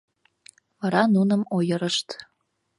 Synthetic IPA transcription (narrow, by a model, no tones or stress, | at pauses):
vɑɾɑnunə̆mojəɾəʃt̪